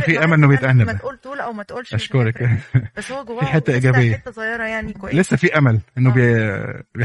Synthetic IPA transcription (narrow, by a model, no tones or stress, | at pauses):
fiʔæmælʔenːobejet̪ʔanːæbæ | ʔæʃkoɾˤɑkæ | fiħet̪ːæʔiːɡæbejːæ | lesːæfiːʔæmælʔenːobe | b